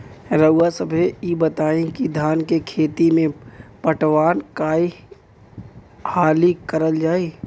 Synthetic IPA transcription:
ɾəwasəbʱeibət̪aːẽkid̪ʱaːnkekʰeːt̪imẽpəʈʋaːnkaːi | haːlikəɾəld͡ʒaːeː

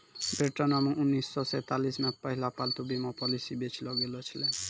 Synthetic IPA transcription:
beʈɔnebɔŋunːisːɔset̪alismɛt̪̚paɦilapalt̪ubimɔpɔlisibet͡ɕʰiloɡelot͡ɕʰilen

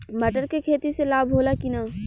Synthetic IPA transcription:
məʈəɾkekʰeːt̪iselaːbʱoːlakinaː

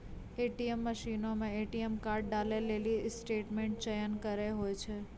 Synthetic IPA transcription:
eʈiemːəʃinomẽeʈiemkaɾɖ̚ɖalelelisʈeʈmeɳʈ̚t͡ʃəjənkəɾeɦojt͡ʃʰe

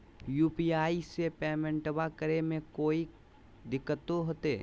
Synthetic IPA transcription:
juːpiaːisepɛːmə̃ɳʈəbakəɾemẽkoːi | d̪ɪkːət̪oɦoːt̪eː

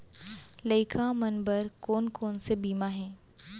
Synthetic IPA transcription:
lɐɪkʰãmɐnbəɾkoːnkoːnsebiːmaɦɛ̃ː

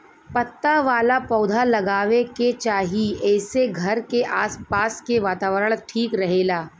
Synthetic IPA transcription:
pɐt̪ːaʋaːlapɔːd̪ʱalɐɡaːʋeket͡ʃaːɦiɛːseɡʱɐɾkeʔaːspaːskeʋaːt̪aːʋəɾəɽ̃ʈʰiːkɾɐɦeːlaː

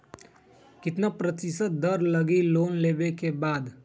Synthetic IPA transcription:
kɪt̪napɾət̪ɪsəd̪əɾləɡiloːnleːbekebaːd̪

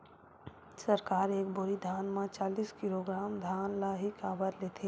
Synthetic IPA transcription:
sɐɾkaːɾeːk̚bʊɾid̪ʱaːnmãt͡ʃaːliːskɪloɡɾaːmd̪ʱaːnlaɦikaːbəɾleːt̪ʰeː

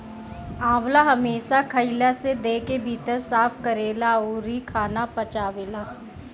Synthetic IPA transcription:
ãːwlaɦɐmeːʃakʰɐɪlased̪eːkebʱiːt̪əɾsaːfʰkəɾeːlaoːɾikʰaːnapɐt͡ʃaːʋeːlaː

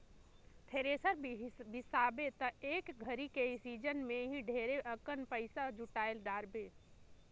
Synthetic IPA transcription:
t̪ʰeɾesəɾbʱisabet̪əekɡʱəɾikeisid͡ʒənmeɦĩɖʱeɾeʔəkənpəɪsad͡ʒuʈaelɖaɾbe

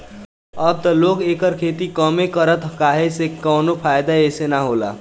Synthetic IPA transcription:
ʌb̚t̪ʌlokekʌɾkʰet̪ikʌmekʌɾət̪kaɦesekʌwnopʰajd̪aesenaɦola̰

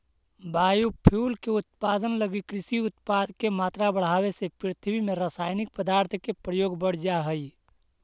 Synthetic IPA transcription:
baːjupʰuːlkeʊt̪̚paːd̪ənləɡikɾɪsiʊt̪̚paːd̪kemaːt̪ɾabəɽ̤aːwesepɾɪt̪ʰəbimẽɾaːsaːɪnɪk̚pəd̪aːɾt̪ʰkepɾəjoːɡbəɽ̤d͡ʒaɦəi

